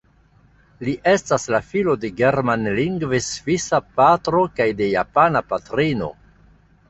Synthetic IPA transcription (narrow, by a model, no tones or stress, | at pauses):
liʔe̞staslafilo̞de̞ɡe̞ɾmanliŋɡvesvisapatɾo̞kajde̞japanapatɾino̞̰